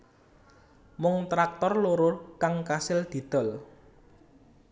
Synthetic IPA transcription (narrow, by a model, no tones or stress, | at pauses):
mʊŋt̪ɾak̚t̪ɔrloɾokaŋkasɪld̪̥i̤d̪̥ɔ̤l